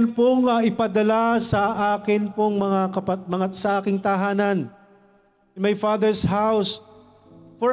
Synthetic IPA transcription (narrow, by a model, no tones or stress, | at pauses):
npoŋɐɪpɐd̪ɐlasɐʔaːkɪnpoŋmɐŋakɐpɐmɐŋasɐʔaːkɪŋt̪ɐɦaːnɐn | ʔɪnmajfad̪ɛɹsɦaws | fɔ